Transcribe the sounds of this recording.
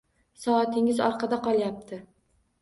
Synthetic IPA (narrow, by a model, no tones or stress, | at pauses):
sɒːt̪ʰɪŋɪzɒ̰ɾqʰɑd̪aqɒlˠjap̚t̪ʰɪ